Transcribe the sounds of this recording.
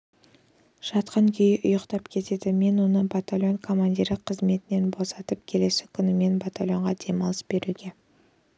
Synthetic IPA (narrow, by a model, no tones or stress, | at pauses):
ʒ̥ɑt̪qɑŋkʲʰʏjɪʔʊjəqt̪ɑpkʲʰe̞t̪e̞d̪ɪme̞nwo̞nəbat̪alʲjo̞nkʰo̞mand̪iɾɪqʰəzme̞t̪ɪne̞nbo̞sɑt̪əp̚kʲʰe̞le̞sɪ̥kʲʰʏnɪme̞nbat̪alʲjo̞ɴʁɑd̪e̞mɑlˠəsbe̞ɾʔuɡʲe̞